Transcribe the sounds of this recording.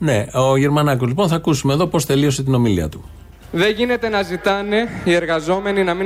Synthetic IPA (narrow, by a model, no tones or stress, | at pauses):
ne̞oʝe̞ɾmɐnɐkozliponθɐːkusume̞ðo̞po̞st̪e̞lio̞s̬e̞t̪ino̞milḭɐ̰t̪u̥ | ðeʝine̞t̪e̞nɐzit̪ɐne̞ie̞ɾɣɐzo̞me̞ninɐmi